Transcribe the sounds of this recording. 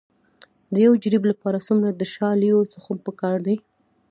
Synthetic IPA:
d̪əjawd͡ʒɾiblapɑɾasumɾad̪əʃɑlijot͡sʊxumpəkɑɾd̪aj

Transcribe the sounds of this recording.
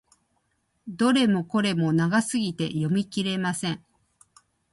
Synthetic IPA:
d̪o̞ɾe̞mo̞ko̞ɾe̞mo̞naɡasɨɡʲit̪e̞̰jo̞mʲikʲiɾe̞masẽ̞ŋ

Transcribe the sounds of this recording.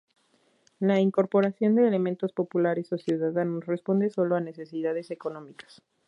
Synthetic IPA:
laiŋko̞ɾpo̞ɾasjo̞nd̪e̞ːle̞mẽnt̪o̞spo̞pulaɾe̞so̞sjuðaðanosre̞spo̞nd̪e̞so̞lo̞ane̞se̞siðað̞e̞se̞ko̞nõ̞mikḁs

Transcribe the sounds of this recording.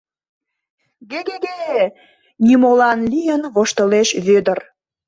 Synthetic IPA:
ɡeɣeɡee | nimolɑnlʲijənβoʃt̪əleʃβød̪ər

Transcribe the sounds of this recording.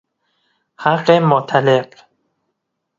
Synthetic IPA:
haɢemot̪ʰaleq

